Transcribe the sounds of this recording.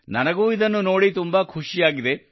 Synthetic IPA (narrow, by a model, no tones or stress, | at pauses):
nɐnɐɡuːid̪ɐnːuno̞ːɽit̪umbɐkʰuʂijaːɡid̪e